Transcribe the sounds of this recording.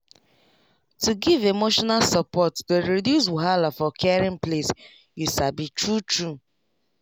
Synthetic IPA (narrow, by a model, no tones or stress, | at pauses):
tuɡivemoʃɔnalsɔpɔtdoɾedjus̬wuɦalafɔkʰɛaɾĩmples | jusabitɹutɹu